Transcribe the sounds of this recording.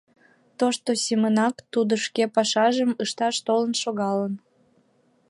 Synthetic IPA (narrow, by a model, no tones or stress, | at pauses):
t̪oʃt̪osʲemənɑkt̪ud̪oʃkepɑʃɑʒəməʃt̪ɑʃt̪olənʃoɣɑlən